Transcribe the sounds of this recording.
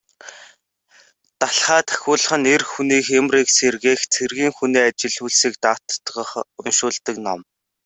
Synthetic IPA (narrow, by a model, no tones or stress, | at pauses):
t̪aɬχaːt̪ʰæ̥xʲʊːɮə̆χə̆nerxuniːxemriːkserɣeːxt͡sʰerɣiːŋxuniːat͡ɕɪ̆ɮuːɮsiːk̚t̪aːt̪ːɢə̆χʊnʃʊːɮt̪ə̆knɔm